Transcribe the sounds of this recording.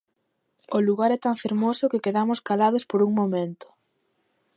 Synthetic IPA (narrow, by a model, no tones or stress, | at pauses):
ʊluɣaɾɛt̪aɱfeɾmosʊkekeðamʊskalað̞ospoɾuŋmomẽnt̪ʊ̥